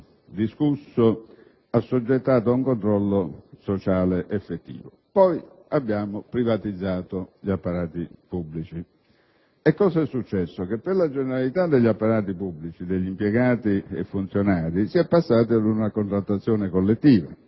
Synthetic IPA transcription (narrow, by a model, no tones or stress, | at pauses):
d̪iskusːo | asːud͡ʒːet̪ːaːt̪̬ʊuŋkont̪ɾɔlːosot͡ʃaːleʔɛfːet̪ːḭːvo | pɔj | abːjaːmopɾivat̪id̪zːaːt̪oʎapːaɾaːt̪ipubːlit͡ʃi | ɛkːɔːsaɛsːut͡ʃːɛsːokepːeɾlad͡ʒeneɾalit̪ad̪ːeʎːapːaɾaːt̪ipublit͡ʃid̪eʎːimpjɛɡaːt̪iḛfːunt̪sjonaːɾisiɛpːasːaːt̪ɪad̪unakont̪ɾat̪ːat̪sːjɔːnekolːet̪ːiːva̰